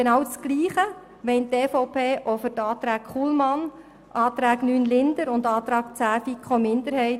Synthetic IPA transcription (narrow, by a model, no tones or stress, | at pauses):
enɑwt͡sɡ̥liːχə | ʋɛɪnteːfɔʊpʰeːʔofʏɾtɑːt̪ɾæːkχuːlmɑn | ʔɑːt̪ɾæːɡnyːnlɪnd̪əɾʊndɑːt̪ɾɑːkt͡sæːfikχomɪnd̪əɾhɛɪt